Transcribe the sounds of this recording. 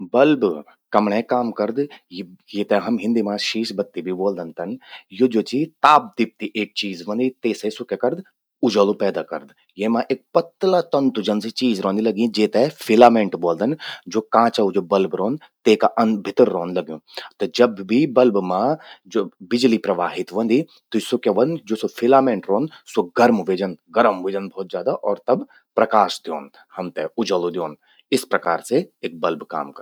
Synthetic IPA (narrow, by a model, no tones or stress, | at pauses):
bɐlb | kɐmɳẽːkaːmkɐɾd̪jjeːt̪ɛɦɐmɦɪ̃nd̪iːmãːʃiːʃbɐt̪ːibʱiboːld̪ənt̪ɐnjoːd͡ʒoːt͡ʃit̪aːp̚d̪ip̚t̪iʔeːk̚t͡ʃiːzʋɐ̃nd̪it̪eːsesʊkekɐɾd̪ | ʊd͡ʒaːluːpɛːd̪aːkɐ̰ɾd̪ | jeːmãːʔeːk̚pɐt̪ːlaːt̪ɐnt̪ʊd͡ʒɐnsit͡ʃiːzɾɔ̃ːnd̪ilɐɡĩd͡ʒeːt̪ɛfʰɪlaːmẽːɳʈboːld̪ɐnd͡ʒoːkãːt͡ʃaud͡ʒoːbɐlbɾõːn | t̪eːkaʔɐnbʱɪt̪ɾːõːnlɐɡjũːt̪ɐd͡ʒɐbːʱibɐlbmãd͡ʒoːbɪd͡ʒlipɾɐʋaːɦɪt̪ʋɐ̃nd̪i | t̪ʊsokeʋɐnd͡ʒoːsofʰɪlaːmẽɳʈɾõːnsoɡɐɾmʋeːd͡ʒənɡɐɾəmʋeːd͡ʒənbʱɔːt̪zjaːd̪aʔɔːɾt̪ɐb | pɾɐkaːʃd̪jo̰ːn | hɐmt̪eʊd͡ʒəlod̪joːn | ɪspɾɐkaːɾseeːk̚bɐlbka̰ːmkɐɾ